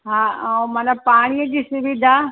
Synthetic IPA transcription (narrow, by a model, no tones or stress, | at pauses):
ɦaːmanapaːɽ̃ijəd͡ʑiːsʊʋid̪ʱa